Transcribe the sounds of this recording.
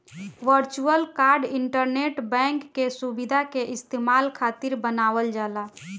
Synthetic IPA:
ʋəɾt͡ʃuəlkaɾɖiɳʈəɾneʈbɛ̃ŋkːesubid̪ʱakeʔɪst̪emalkʰat̪iɾbənaʋəld͡ʒala

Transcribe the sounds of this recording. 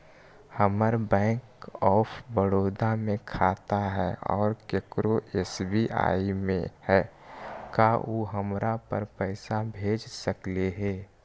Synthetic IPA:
həməɾbɛ̃ːkɔːpʰʋəɽoːd̪amẽkʰaːt̪aɦɛɔ̰ːɾkekɾoʔeːsbiʔa̰ːimḛ̃hɛːkaʔoːɦəmɾapə̰ɾpəɪsabʱeːd͡ʒsəkleɦeː

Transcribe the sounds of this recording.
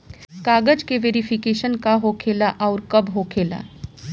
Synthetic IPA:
kaːɡəd͡ʒkeʋeːɾifʰɪkeːʃənkaɦokʰeːlaʔɔːɾkɐbɦokʰeːla̰ː

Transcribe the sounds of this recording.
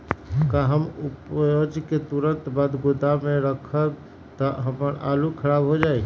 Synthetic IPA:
kaɦəmupjod͡ʒket̪uɾənt̪bad̪ɡud̪ameɾəkʰəb | t̪ɔɦəməɾa̰lukʰəɾaːbɦod͡ʒaːi

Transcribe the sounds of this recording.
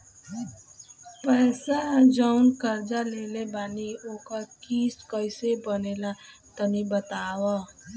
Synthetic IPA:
pəjsad͡ʒankəɾd͡ʒaleːlebaːnioːkəkiːskəɪsebənelat̪ənibət̪aːwa

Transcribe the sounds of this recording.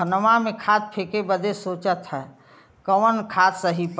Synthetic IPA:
ənəmamẽkʰad̪̚pʰeːkebəd̪esoːt͡ʃət̪ɦɛ | kəʋənkʰaːt̪səɦip

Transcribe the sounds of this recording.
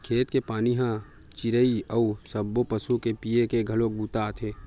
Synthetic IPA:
kʰeːt̪kepaːniɦã | t͡ʃɪɾəiəusəbːopəsukepijekeɡʱɐlok̚buːt̪aːt̪ʰeː

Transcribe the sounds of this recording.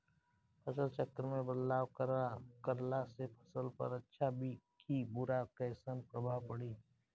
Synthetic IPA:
pʰəsəlt͡ʃəkːəɾmẽbəd̪laːwkkəɾlasepʰə̥səlpə̰ɾətːʃʰabʱikʰibʊɾakəːsənpɾəbʱaːwpəɽiː

